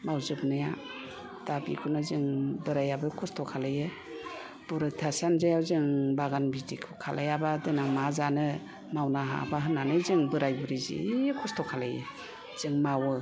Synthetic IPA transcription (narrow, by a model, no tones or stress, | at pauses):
mawzɯbnaja̰ | d̥abḭkʰunazɯŋbɯɾajabɯkʰɔstʰɔkʰalajɯ | b̥uɾɯtʰasanzajawzɯŋbaɡanbidikʰɯkʰalajabadɯnaŋmazanɯ | mawnaɦa̰baɦɯnanɯzɯŋbɯɾajbɯɾizḭkʰɔstʰɔkʰalajɯ̰ | z̥ɯŋmawɯ